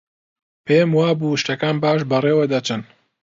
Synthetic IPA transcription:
pʰemwaːbuɨʃt̪ɐkaːnbaːʃbɐreːwɐd̪ɐt͡ʃɨn

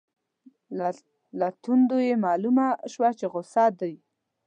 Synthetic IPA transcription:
lat̪und̪ojemɑlumaʃwat͡ʃeɣʊsɑd̪aj

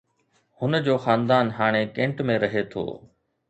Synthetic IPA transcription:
hʊnd͡ʑoːxaːnd̪aːnɦaːɽ̃ekẽːɳʈmẽɾɐɦet̪ʰo̰ː

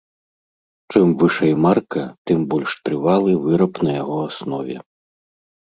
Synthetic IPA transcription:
t͡ʂɨmvɨʂɐjmarkɐt̪ɨmbɔlʲʂt̪ɾɨvalˠɨvɨɾɐpnɐjaɣɔasnɔvʲɛ̰

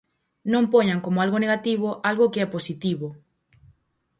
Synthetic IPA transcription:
nõmpoɲaŋkomoalɣoneɣat̪iβ̞oʔalɣokeɛposit̪iβo

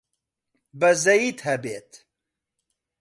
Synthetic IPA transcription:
bəzɐjiːt̪hɐbeːt̪

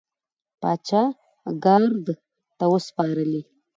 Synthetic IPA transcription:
pɑt͡ʃɑ | ɡaɾd̪ | t̪awəspɑɾəli

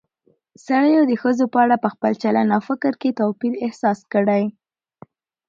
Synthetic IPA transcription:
saɽəjod̪əxəzopəaɽapəxpəlt͡ʃalanawfɪkɾket̪owpiɾɪhsɑskəɽaj

